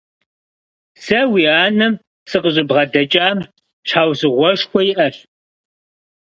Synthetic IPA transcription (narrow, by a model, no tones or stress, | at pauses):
sɐwiːaːnɐm | sɨqəʑʼɪbʁɐdɐt͡ʃʼaːm | ɕħaːwsɨʁʷɔʂxʷɔjiʔɐɕ